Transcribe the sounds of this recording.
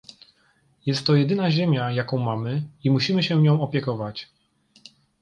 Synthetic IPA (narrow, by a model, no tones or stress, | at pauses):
jɛst̪ːɔjɛd̪ɘnaʑemʲjajakɔ̃w̃mamɘimuɕimɘɕɛɲɔ̃w̃ɔpʲjɛkɔvat͡ɕ